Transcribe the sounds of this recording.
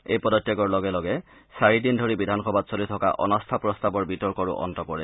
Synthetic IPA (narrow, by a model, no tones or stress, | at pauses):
ejpɔdɔtːjaɡɔɹlɔɡɛlɔɡɛ | saɹidindʱoɹibidʱanxɔbadsolitʰɔka̰ʔɔ̰nɔstʰapɹɔstabɔɹbitɔɹkɔɹṵʔɔ̰ntɔkɔɹɛ